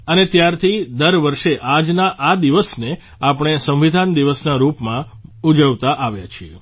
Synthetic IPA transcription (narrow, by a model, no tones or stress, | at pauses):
ənet̪jaɾt̪ʰid̪əɾʋəɾʃeʔad͡ʒnaʔad̪iʋəsne | apɽ̃esə̃ʋid̪ʱand̪iʋəsnaɾupmãud͡ʒəʋt̪aʔaʋja̰t͡ʃʰie